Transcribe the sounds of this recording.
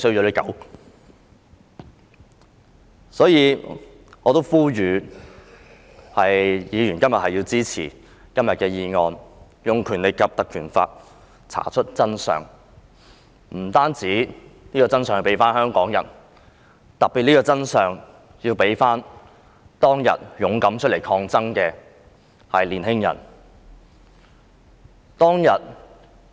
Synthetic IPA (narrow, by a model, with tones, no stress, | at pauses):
sɵ˥ɥɔː˨˥le˨˥kɐ̰˨˥w | sɔː˨˥jiː˨˧ | ɔː˨˧t̪o˥wfuː˥jyː˨˧ | hɐ˨jjiː˨˧jyː˨˩nkɐ˥mjɐ˨t̚hɐ˨jːiː˧wt͡siː˥t͡sʰḭː˨˩ | kɐ˥mjɐ˨t̚kɛː˧jiː˧ŋɔː˧n | jʊ˨ŋkʰyː˨˩nle˨jkɐ˨p̚t̪ɐ˨kʰyː˨˩nfa̰ː˧t̚ | t͡sʰa̰ː˨˩t͡ʃʰɵ˥t̚t͡sɐ˥nsœ̰ː˨ŋ | m̩˨˩t̪aː˥nt͡siː˨˥niː˥kɔː˧t͡sɐ˥nsœː˨ŋji˧pe˨˥jfaː˥nhœː˥ŋkɔː˨˥ŋjɐ̰˨˩n | t̪ɐ˨k̚piː˨t̚niː˥kɔː˧t͡sɐ˥nsœː˨ŋ | jiː˧wpe˨˥jfaː˥n | t̪ɔː˥ŋjɐ̰˨t̚jʊ˨˥ŋkɐ˨˥mt͡ʃʰɵ˥le˨˩jkʰɔː˧ŋt͡sɐ˥ŋkɛː˧ | hɐ˨jliː˨˩nhɪ˥ŋjɐ̰˨˩n | t̪ɔː˥ŋjɐ˨t̚